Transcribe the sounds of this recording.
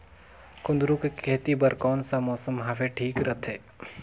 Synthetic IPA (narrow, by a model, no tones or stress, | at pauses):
kʊnd̪ɾũkekɛːt̪ibəɾkɔːnsamɔːsəmɦaʋeʈʰiːkɾɐt̪ʰɦeː